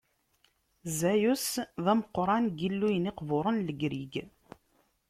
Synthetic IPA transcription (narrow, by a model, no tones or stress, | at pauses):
zæjusðæməqːɾˤɑnɡilːujəniqvʊɾˤənləɡɾiɡ